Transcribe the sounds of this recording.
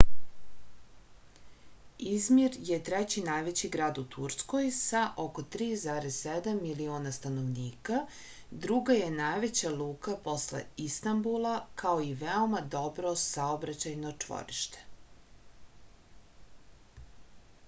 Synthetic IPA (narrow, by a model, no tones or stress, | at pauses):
izmiɾje̞t̪ɾet͡ɕinajʋe̞t͡ɕiɡɾaːd̪ut̪ʰuɾskojsaʔo̞ko̞t̪ɾiːzaːɾez̥sed̪amːilioːnast̪ano̞ʋniːka | d̪ɾuɡaje̞najʋet͡ɕalˠuːkapo̞slḛist̪ambulˠakʰaoiʋeo̞mad̪o̞bɾo̞saobɾat͡ɕajnot͡ʂʋo̰ɾiʃt̪e̥